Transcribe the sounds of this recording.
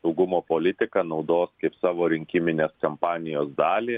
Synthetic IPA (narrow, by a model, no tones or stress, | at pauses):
sɐʊɡʊmoːpoːlʲɪt̪ʲɪkɐnɐʊd̪oːskɐɪpsɑːʋoːɾʲɪŋʲkʲɪmʲɪnʲeːskɐmpɑːnʲɪjoːsd̪ɑːlʲiː